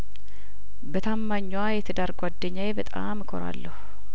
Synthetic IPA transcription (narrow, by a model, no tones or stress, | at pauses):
bət̪ʰamːaɲːwajɛt̪ʰəd̪aɾɡwad̪ːəɲːajebət̪ʼa̰mkʰoɾa̰lːəhu